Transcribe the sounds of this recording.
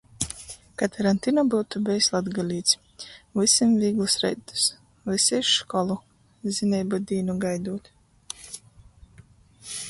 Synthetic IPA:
kat̪ʰaɾant̪inɔbuwt̪ubɛjslˠad̪ɡalʲiːt̪sʲ | vɨsimviːɡlˠusɾɛ̰jt̪ːu̥s | lɨsɛjʃʃkɔlˠu | zinʲɛjbud̪iːnuɡajd̪uːt̪

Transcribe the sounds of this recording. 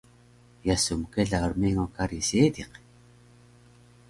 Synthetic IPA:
jasumkeɮaoɾmeŋokaɾiseːd̪iq

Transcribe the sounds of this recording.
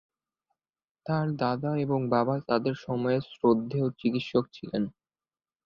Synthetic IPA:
t̪aɾd̪ad̪aeboŋbabat̪ad̪eɾʃɔmɔesɾod̪ʱːeot͡ɕikit̪ʃok̚t͡ɕʰilen

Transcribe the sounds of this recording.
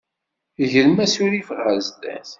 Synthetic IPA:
ʝəlmæsuɾifəʁʁæzd̪æ̰θ

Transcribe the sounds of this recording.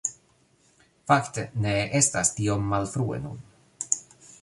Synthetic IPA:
fakt̪əneʔest̪ast̪iomːalfɾuːḛnṵn

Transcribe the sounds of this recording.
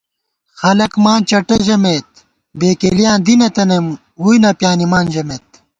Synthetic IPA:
xɐlɐkmaːnt͡ɕɐʈɐʑɐmeːt̪̚ | beːkeːlijãːnd̪inɐt̪ɐnɐm | hujnɐpjaːnimaːnd͡ʑɐmeːt̪̚

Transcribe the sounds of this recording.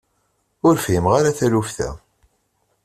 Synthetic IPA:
ʊɾfimʁaɾaθælufθæ̰

